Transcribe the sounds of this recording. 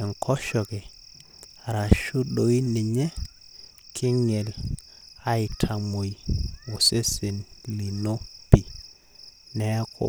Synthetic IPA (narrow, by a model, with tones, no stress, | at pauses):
ɪ˨ŋkʰɔ˦ʃɔ˨kɛ˨ | ɾa˨ʃʊ˦ɗo˨˦i˦ni˨ɲɛ˦ | kʰɪ˦ŋe˨l | a˦ɪ˨tʰa˨mo˨i˨wo˨se˦sɪ˨nli˨no˦pi˨ | nɛ˦kʰɔ̰˨